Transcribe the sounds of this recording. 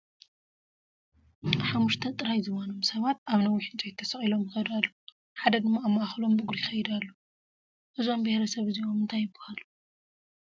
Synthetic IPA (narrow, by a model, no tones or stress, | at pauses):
ħamːuʃt̪ʰɐt̪ʼɨɾajzɨβono̞msɐβat̪aβnɐwːiħɨnt͡ʃʼɐjt̪ʰːɐsɐχʼilo̞mjɪxɐd̪alːo | ħad̪ɐd̪ɨmːaːmːɐʔaxlo̞mbɨɡɾijxɐjid̪alːo | ʔɨzo̞mbehɾɐsɐβɨziʔomɨnt̪ʰajːɨbːɐhalu